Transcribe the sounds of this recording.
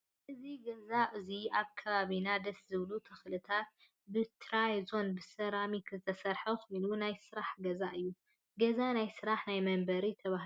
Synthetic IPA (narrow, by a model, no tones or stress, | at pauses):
ʔɨziɡɐzaʔɨziʔaβkʰɐβaβinad̪ɐszɨβlut̪ʰɐxlɨt̪ʰat̪̚ | bɨt̪ʰɾajzo̞nbɨsɐɾamikʰɨzɨt̪ʰɐsɐɾħɐxo̞jnunajsɨɾaħɡɐzaʔɨjːu | ɡɐzanajsɨɾaħnajmɐmbɐɾit̪ʰɐβah